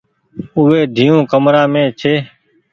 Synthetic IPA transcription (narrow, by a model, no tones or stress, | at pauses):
ʊːeːɖ̪ʱiːõːkəmɾaːmẽːt͡ʃʰeː